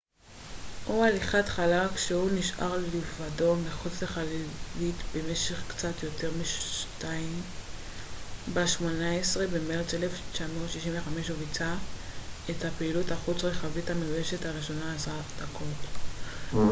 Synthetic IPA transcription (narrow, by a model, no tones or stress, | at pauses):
ʔoaliχat̪χalakʃehuniʃʔa̰ʁllivado̞meχut͡sleχalvitbe̞me̞ʃe̞χkt͡satjo̞te̞ʁmiʃtaim | baʃmonaesʁe̞bemeʁt͡seleft͡ʃanoʃiʃiɱveχameʃovit͡sa | ethapeiluthaχut͡sʁeχavithameujeʃethaʁiʃo̞naːsad̪akʰot